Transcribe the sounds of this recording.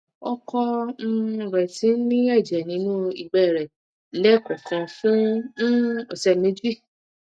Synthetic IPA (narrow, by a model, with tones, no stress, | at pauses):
ɔ˦kɔ˧˦˨ | ɾɛ˨tĩ˨˦nĩ˦ɛ˦˨d͡ʒɛ˨nĩ˨˦nũ˦i˧˨ɡ͡bɛ˦˨ɾɛ˨ | lɛ˦kɔ̃˨kʰã˨˧fũ˦ | o˨sɛ˧˨mẽ˨˦d͡ʒi˦˨